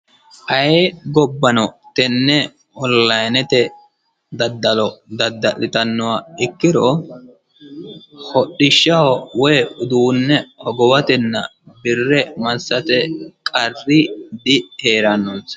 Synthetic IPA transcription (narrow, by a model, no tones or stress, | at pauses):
ʔɐjɡɔbːɐnɔt̪ɛnːɛ | ɔlːɐjnɛt̪ɛ | d̪ɐd̪ːɐlɔd̪ɐd̪ːɐlːɪt̪ɐnːɔwaɪkːɪd̪ɔ | hɔɗːɪʃːɐhɔwɔjʊd̪uːnːɛhɔɡɔwɐt̪ɛnːɐ̰bɪrːɛmɐsːɐt̪ɛkʼɐrːɪd̪ɪheːɾɐnːɔns